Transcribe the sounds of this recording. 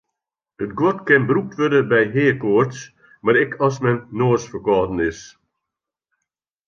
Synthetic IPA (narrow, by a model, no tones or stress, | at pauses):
ətɡwɔtkɪnbrup̚tʋødəbɛjɦɪːkoərts | maɾɪkʰɔsmɛnːoːsfəkɔːdən̩ɪs